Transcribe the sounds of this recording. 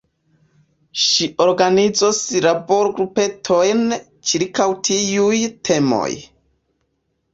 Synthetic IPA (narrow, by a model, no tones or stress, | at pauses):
ʃiʔo̞ɾɡanizosɾabo̞ɾɡɾupe̞tʰo̞jn | t͡ʃiɾkawtʰiujtʰe̞mo̰j